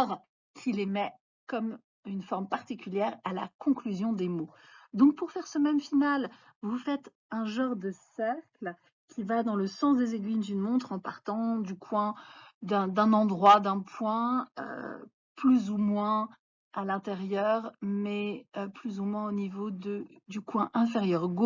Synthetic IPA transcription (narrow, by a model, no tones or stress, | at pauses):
ʁ | kʲʰilemɛ | kɔm | ynfɔʁmpaʁt̪ikʲyljɛʁala̰kɔ̃klyzjɔ̃d̪emod̪ɔ̃k̚puʁfɛʁsəmɛmfinal | vufɛt̪ | ɛ̃ʒɑ̃ʁd̪əsɛʁkl | kʲʰivad̪ɑ̃ləsɑ̃s̬d̪ezeɡɥind̪ynmɔ̃t̪χɑ̃paʁt̪ɑ̃d̪ykʰwɛ̃d̪ɛ̃d̪ɛ̃nɑ̃d̪ʁwad̪ɛ̃pwɛ̃ø̰ | plyzumwɛ̃ | alɛ̃t̪eʁjœʁmɛøplyzumwɛ̃onivod̪əd̪ykwɛ̃ʔɛ̃feʁjœʁɡo